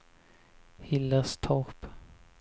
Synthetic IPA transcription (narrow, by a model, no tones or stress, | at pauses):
hɪlːəst̪ʰɔʁp